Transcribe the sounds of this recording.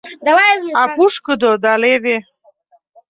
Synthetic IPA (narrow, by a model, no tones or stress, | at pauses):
d̪awapuʃkəd̪od̪aleve